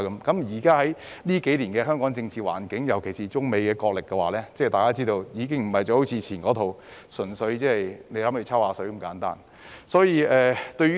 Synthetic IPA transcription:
kɐ˨˧˦mkɐ˨˥mjiː˨˩kaː˥ɦɐ˨˥j | liː˥ke˨˥jliː˨˩nkɛː˧ɦœː˥ŋkɔː˨˥ŋt͡sɪ˧ŋt͡sʰiː˨wa̰ː˨˩nkɪ˨˥ŋjɐ˨˩wkʰe˨˩siː˨t͡sʊ˥ŋme˨˧jkɛː˧kɔː˧k̚lɪ˨kːɛ˧waː˨˩lɛː˥t͡sɛː˥˩t̪aː˨˩kaː˥t͡siː˥t̪o˧wjiː˨˧kɪ˥ŋm̩˨˩hɐ˨jt͡sɔː˧ho˨˥wt͡sʰiː˧t͡sʰiː˨˩nkɔː˨˥t̪ʰo˨w | sɵ˨˩nsɵ˨˥ɥt͡sɛː˥ɐ˨jne˨˧˥lɐ˨˦my˨˧t͡sʰɐ˥whaː˨˧sɵ˨˥ɥ̩˨˩ŋkaː˨˥nt̪a̰ː˥n | sɔː˨˥jiː˧ɛː˨˧t̪ɵ˧ɥ

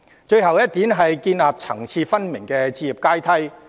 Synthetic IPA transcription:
t͡ʃɵ˧ɥɦɐ˨wjɐ˥t̚t̪iː˨˥nɦɐ˨jkiː˧nlaː˨p̚t͡sʰɐ̰˨˩ŋt͡sʰiː˧fɐ˥nmɪ˨˩ŋkɛː˧t͡siː˧jiː˨˩p̚kaː˥jt̪ʰɐ˥j

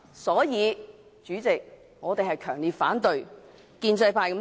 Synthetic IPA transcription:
sɔː˨˥jiː˨˧ | t͡ʃyː˨˥t͡sɪ˨k̚ | ŋɔː˨˧t̪e˨jhɐ˨jkʰœː˨˩ŋliː˨t̚faː˨˥nt̪ɵ˨ɥ | kiː˧nt͡sɐ˧jpʰaː˧kɐ˨˥m

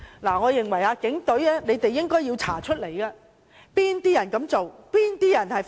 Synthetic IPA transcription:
laː˨˩ŋɔː˨˧jɪ˨ŋwɐ˨˩jaː˧kɪ˨˥ŋt̪ɵ˨˥ɥɛː˥ne˨˧jt̪e˨jːɪ˥ŋkɔː˥ji˧wt͡sʰaː˨˩t͡ʃʰɵ˥t̚le˨˩jkɐː˧ | piː˥nt̪iː˥jɐ˨˩nkɐ˨˥mt͡so˨wpiː˥nt̪iː˥jɐ˨˩nhɐ˨j

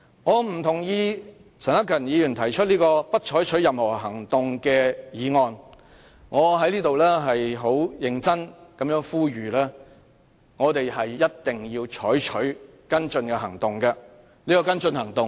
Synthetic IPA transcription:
ŋɔː˨˧m̩˨˩t̪ʰʊ˨˩ŋjiː˧ | t͡sʰɐ˨nɐ˥kʰɐ˨˩njiː˨˧jyː˨˩nt̪ʰɐ˨˩jt͡ʃʰɵ˥t̚liː˥kɔː˧pɐ˥t̚t͡ʃʰɔː˨˥jt͡ʃʰɵ˨˥ɥjɐ˨mhɔː˨˩ɦɐ˨˩ŋt̪ʊ˨ŋkɛː˧jiː˨˧ŋɔː˧n | ŋɔː˨˧ɦɐ˧˥jliː˥t̪o˨wlɛː˥ɦɐ˨jɦo˨˥wjɪ˨˧ŋt͡sɐ˥nkɐ˨˥mjœː˨˥ŋfuː˥ɥyː˨˩lɛː˥ | ŋɔː˨˧t̪e˨jhɐ˨jːɐ˥t̚t̪ɪ˨ŋjiː˧wt͡ʃʰɔː˨˥jt͡ʃʰɵ˨˥ɥ | kɐ˥nt͡sɵ˧nkɛ˧ɦɐ˨˩ŋt̪ʊ˨ŋkɐ˧ | liː˥kɔː˧kɐ˥nt͡sɵ˧nhɐ˨˩ŋt̪ʊ˨ŋ

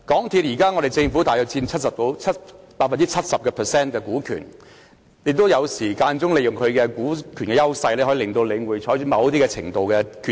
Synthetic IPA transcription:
kɔː˨˥ŋt̪ʰiː˨t̚jiː˨˩kaː˥ŋɔ˨˧ɾe˨˩jt͡sɪ˧ŋfuː˨˥t̪aː˨˩jɔ˨˧k̚t͡siː˧nt͡sʰɐ˥t̚sɐ˨p̚t̪o˧wt͡sʰɐ˥tpaː˧t̚fɐ˨nt͡si˥t͡ʃʰɐ˥t̚sɐ˨p̚kɛ˧pʰə˨˩sɛː˥nkɛː˧kuː˨˥kʰy̰ː˨˩n | jɪ˧k̚t̪o˥wjɐ˨˧wsiː˨˩kaː˧nt͡sʊ˥ŋle˨˧jʊ˨˩ŋkʰɵ˨˧ɥkɛ˧kuː˨˥kʰyː˨˩nkɛː˧jɐ˥wsɐ˧jle˧hɔ˨˥i˧lɪ˨ŋt̪o˧wle˨˧jŋuː˨˩jt͡ʃʰɔː˨˥jt͡ʃʰɵ˨˥mɐ˨˧wt̪iː˥kɛ˧t͡sʰɪ˨˩ŋt̪o˨wkɛ˧kʰy˨˧˩

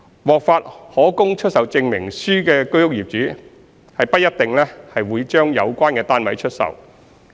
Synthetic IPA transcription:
wɔː˨k̚faː˧t̚hɔː˨˥kʊ˥ŋt͡ʃʰɵ˥t̚sɐ˨wt͡sɪ˧ŋmɪ˨˩ŋsyː˥kɛː˧kɵ˥jʊ˥k̚jiː˨p̚t͡ʃyː˨˥ | hɐ˨jpɐ˥t̚jɐ˥t̚t̪ɪ˨ŋlɛː˥hɐ˨jwuː˨˧jt͡ʃœː˥ŋjɐ˨˧wkʷaː˥nkɛː˧t̪aː˥nwɐ˨˥jt͡ʃʰɵ˥t̚sɐ̰˨w

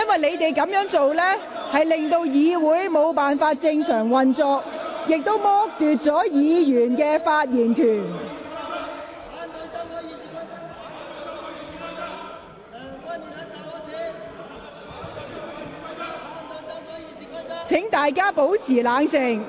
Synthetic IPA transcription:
jɐ˥nwɐ˨˩jle˨˧jt̪e˨jkɐ˨˧˥mjœː˨˥ŋt͡so˨wlɛː˥ | hɐ˨jlɪ˨ŋt̪o˧wjiː˨˧wuː˨˥jmo˨˧wpaː˨nfaː˧t̚t͡sɪ˧ŋsœː˨˩ŋwɐ˨nt͡sɔː˧k̚jɪ˨k̚t̪o˥wmɔː˥k̚t̪yː˨t̚t͡sɔː˨˥jiː˨˧jyː˨˩nkɛː˧faː˧t̚jiː˨˩nkʰyː˨˩n | t͡sʰɪ˨˥ŋt̪aː˨jkaː˥po˨˥wt͡sʰiː˨˩laː˨˧ŋt͡sɪ˨ŋ

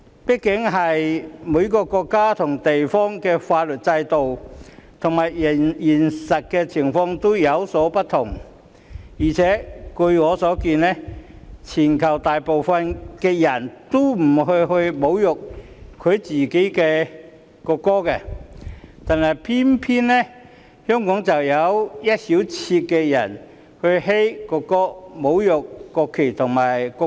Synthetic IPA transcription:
pi˥kːɪ˨˥ŋɦɐ˨jmuː˨˧˥jkɔː˧kɔː˧kːaː˥t̪ʰʊ˨˩ŋt̪e˨jfɔː˥ŋkɛː˧faː˧t̚lɵ˨˩t̚t͡sɐ˧jt̪o˨wt̪ʰʊ˨˩ŋmaː˨˩jjiː˨˩nsɐ˨t̚kɛː˧t͡sʰɪ˨˩ŋfɔː˧ŋt̪o˥wjɐ˨˧wsɔː˨˥pɐ˥t̪ʰʊ˨˩ŋ | jiː˨˩t͡sʰɛː˨˥kɵ˧ɥŋɔː˨˧sɔː˨˥kiː˧nlɛː˥t͡sʰiː˨˩nkʰɐ˨˩wt̪aː˨jpo˨wfɐ˧nkɛː˧jɐ˨˩nt̪o˥m̩˨˩ɦɵ˧ɥɦɵ˧ɥmo˨˥wjʊ˨k̚ | kʰːɵ˨˧ɥt͡siː˨ke˨˥jkɛː˧ | kɔː˧kːɔː˥kɛː˧ | t̪aː˨nhɐ˨˩jpʰiː˥npʰiː˥nnɛ˥ | hœː˥ŋkɔː˨˥ŋt͡sɐ˨wjɐ˨˧wjɐ˥t̚siː˨˥wt͡sʰiː˧t̚kɛː˧jɐ˨˩n | hɵ˧ɥɦe˥jkɔː˧kːɔː˥mo˨˥wjʊ˨k̚ːɔː˧kʰːe˨˩jt̪ʰʊ˨˩ŋmaː˨˩jkɔ˧

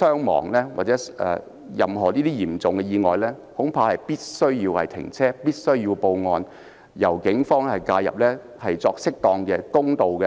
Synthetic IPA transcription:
sœː˥ŋmɔ̰ː˨˩ŋlɛː˥wa̰ː˨˩t͡sɛː˨˥ɛ̰ː˨ | jɐ˨mɦɔː˨˩liː˥t̪i˥jiː˨˩mt͡sʊ˨ŋkɛ˧jiː˧ŋɔː˨˩jlɛ˥hʊ˨˥ŋpʰaː˧hɐ˨jpiː˥t̚sɵ˥ɥjiː˧whɐ̰˨jt̪ʰɪ̰˨˩ŋt͡sʰɛː˥piː˥t̚sɵ˥ɥjiː˧wpo˧wŋɔː˧n | jɐ˨˩wkɪ˨˥ŋfɔː˥ŋhɐ˨˩jkaː˧jɐ̰˨p̚lɛː˥ | hɐ˨jt͡sɔː˧k̚sɪ˥k̚t̪ɔː˧ŋkɛ˧kʊ˥ŋt̪o˨wkɛ˧

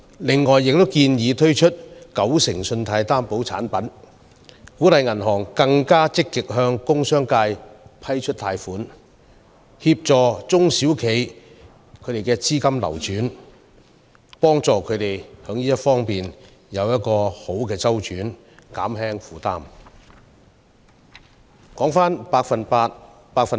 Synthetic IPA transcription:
lɪ˨ŋːɔː˨jːɪ˨k̚t̪o˥wkiː˧njiː˨˧t̪ʰɵ˥ɥt͡ʃʰɵ˥t̚kɐ˨˥wsɪ˨˩ŋsɵ˧nt̪ʰaː˧jt̪aː˥mpo˨˥wt͡sʰa̰ː˨˥npɐ˨˥n | kuː˨˥t̪ɐ˨jŋɐ˨˩nɦɔː˨˩ŋkɐ˧ŋkaː˥t͡sɪ˥kːɪ˨k̚ɦœː˧ŋkʊ˥ŋsœː˥ŋkaː˧jpʰɐ˥jt͡ʃʰɵ˥t̚t̪ʰaː˧jfuː˨˥n | hiː˧p̚t͡sɔː˨t͡sʊ˥ŋsiː˨˥wkʰe˨˥j | kʰɵ˨˧t̪e˨˩jkɛː˧t͡siː˥kɐ˥mlɐ̰˨˩wt͡ʃyː˨˥n | pɔː˥ŋt͡sɔː˨˩kʰɵ˨˧ɥt̪e˨jhœː˨˥ŋniː˥jɐ˥t̚fɔː˥ŋpiː˨n | jɐ˨˧wjɐ˥t̚kɔː˧ho˨˥wkɛː˧t͡sɐ˥wt͡ʃyː˨˥n | ka̰ː˨˥mɦɛː˥ŋfuː˨t̪aː˥m | kɔː˨˥ŋfaː˥npaː˧k̚fɐ˨npaː˧t̚ | paː˧k̚fɐ˨

